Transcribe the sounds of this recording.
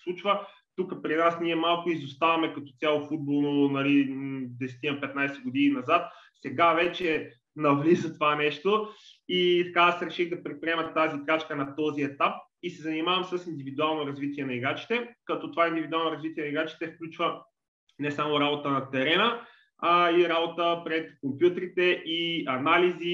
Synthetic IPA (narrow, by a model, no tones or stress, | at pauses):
slˠut͡ʃvə | t̪ukəpɾinasniɛmalˠkʊizʊst̪avɐmɛkɐt̪ɔt̪sʲalˠofud̪̚bolˠnonɐlid̪ɛsɛ̥t̪inɐpɛt̪najsɛɡod̪ininɐzat̪̚ | sɛɡavɛt͡ʃɛ | nɐvlizət̪ovanɛʃt̪oit̪ɐkasɾɛʃixd̪ɐpɾit̪̚pɾiɛmɐt̪ːazikɾat͡ʃkənɐt̪ɔziɛt̪ap̚ | isɛzɐnimavɐmsəsind̪ivid̪ualˠnoɾɐzvit̪iɛnɐiɡɾat͡ʃi̥t̪ɛkɐt̪ɔt̪ovaind̪ivid̪ualˠnoʊɾɐzvit̪ʲiɛnɐiɡɾat͡ʃi̥t̪ɛfklʲut͡ʃvə | nɛsamoɾabot̪ənɐt̪ɛɾɛnə | aiɾabot̪əpɾɛt̪kompjut̪ɾit̪ɛʔiɐnalizi